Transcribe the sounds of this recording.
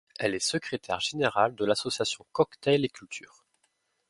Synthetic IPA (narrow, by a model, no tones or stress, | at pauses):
ɛlɛsəkχet̪ʰɛ̰ʁʒeneʁald̪əlasɔsjasjɔ̃kɔkt̪ɛlekʲylt̪ʰyːʁ